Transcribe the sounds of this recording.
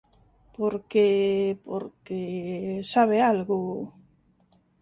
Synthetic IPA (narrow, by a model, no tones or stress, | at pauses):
poɾkepo̰ɾkesaβealɣʊ